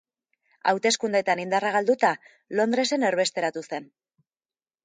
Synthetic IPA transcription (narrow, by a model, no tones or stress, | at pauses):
a̰wt̪e̞skund̪et̪anind̪araɣald̪ut̪a | lo̞nd̪ɾe̞se̞ne̞ɾβe̞st̪e̞ɾat̪use̞n